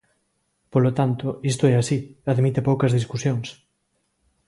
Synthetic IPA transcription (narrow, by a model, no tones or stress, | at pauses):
polot̪ant̪ʊist̪oɛasiaðmit̪ɪpowkɐzðiskusjoŋs